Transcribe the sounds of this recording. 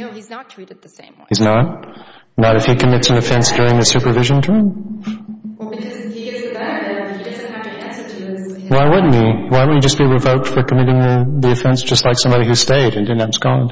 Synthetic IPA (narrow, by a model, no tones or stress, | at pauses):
hiznət̚nəɾɨfhikʰɨmɪtsɨ̃n̩ɨfɛ̃nsd̥ʊɹɪ̃ŋðɨsʉpə˞vɪʒɨ̃ntʰɜ̃˞m | waɪwʌdⁿn̩miwaɪw̃ɨd͡ʒʌsb̥iɹɨvoʊk̚tfə˞kʰɨmɪɾɪ̃ŋɨðiɨfɛ̃nsd̥ʒ̥ʌstˡlaɪksʌ̃mbɑɾihʉ̥steɪɾɨ̃ndɪdⁿn̩ãmskɑ̃n